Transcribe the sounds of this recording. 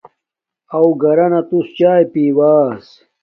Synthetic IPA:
ɐwɡɐɾɐnɐt̪ust͡ɕaːjpiwaːs

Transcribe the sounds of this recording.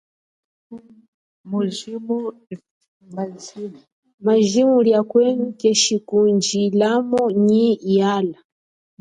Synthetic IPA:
muʒimu | maʒimuljakwɛŋkɛʃikund͡ʒilamɔɲijala

